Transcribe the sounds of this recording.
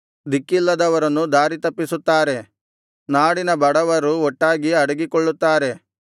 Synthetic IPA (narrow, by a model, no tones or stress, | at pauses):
d̪ikːilːɐd̪ɐʋɐɾɐnːud̪aːɾit̪ɐpːisut̪ːaːɾe̞ | naːɽinɐbɐɽɐʋɐɾuɔʈːaːɡiɐɽɐɡikɔɭːut̪ːaːɾe̞